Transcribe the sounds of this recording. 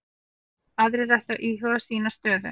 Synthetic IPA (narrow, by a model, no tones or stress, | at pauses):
aðɾɪrajht̪aʔiːhɔðasiːnast̪œːðʏ̰